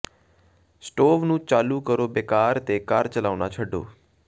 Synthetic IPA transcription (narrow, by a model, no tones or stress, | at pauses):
sʈoːʋnũːt͡ʃaːlukəɾoːbekaːɾt̪ekaːɾt͡ʃəlaːʋna̰t͡ʃʰəɖo̰ː